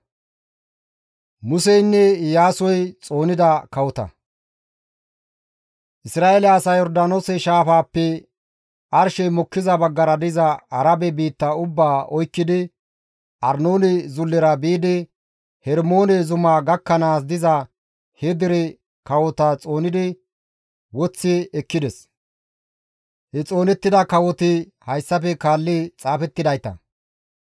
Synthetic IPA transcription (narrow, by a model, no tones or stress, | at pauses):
mʊsɛjnːɛjaːsɔjt͡sʼo̞ːnɪd̪ɐkɐwɔt̪ɐ̰ | ʔɪsɾaːelɛɐsɐːjɔɾd̪aːnoːsɛʃaːfaːpːɛ | ʔɐɾʃɛjmɔkːɪzɐbɐɡːɐɾɐd̪ɪzɐɐɾɐbɛbiːt̪ːɐʊbːaːʔɔjkːɪd̪ɪ | ʔɐɾnoːnɛzʊlːɪɾɐbiːd̪ɪ | hɛɾmo̞ːnɛzʊmaːɡɐkːɐnaːs̬d̪ɪzɐ | hɛd̪ɪɾɛ | kɐwɔt̪ɐt͡sʼo̞ːnɪd̪ɪ | wɔt͡sːɪɛkːɪd̪ɛs | hɛt͡sʼo̞ːnɛt̪ːɪd̪ɐkɐwɔt̪ɪ | hɐjsːɐfɛkaːlːɪt͡sʼaːfɛt̪ːɪd̪ɐjt̪ɐ̰